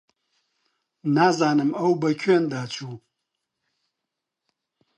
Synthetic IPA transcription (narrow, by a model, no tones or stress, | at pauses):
nazanɨmawbakʲʷʰendat͡ʃʷʰu